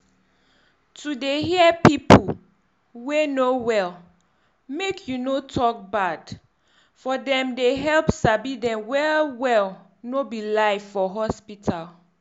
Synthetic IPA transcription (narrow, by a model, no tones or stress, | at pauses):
tʰudeɦiɛpipʰu | wenowɛl | mekʰjunotʰɔk̚bad̥ | fɔdɛ̃mdeɦɛlpsabidɛ̃mwɛwɛl | nobilaɪvfɔɦɔspitʰal